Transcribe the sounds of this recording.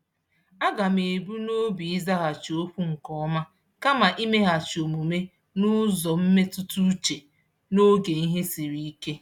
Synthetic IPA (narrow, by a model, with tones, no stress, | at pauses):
a˦ɡa˨me˨bu˦no˦bi˨i˦za˦ɣa˨t͡ʃo˦ɸʷu˦ŋ̩˨kɔ˦ɔ˦ma˦ | ka˦ma˨ʔi˦me˦ɦa˨t͡ʃo˨mu˨me˦ | nʊ˦zɔ˨m̩˦me˦tʊ˦tu˦t͡ʃe˨ | no˦ɡe˨i˦ɦe˦si˨ɾi˨i˦ke˦